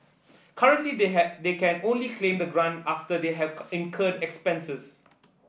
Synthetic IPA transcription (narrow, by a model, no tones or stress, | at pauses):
kʰaɹə̃ntlided̪ekɛ̃nõnlikʰlẽmd̪əɡɹãntaftəd̪eɦɛvɛ̃nkʰədɛkspɛ̃nsəs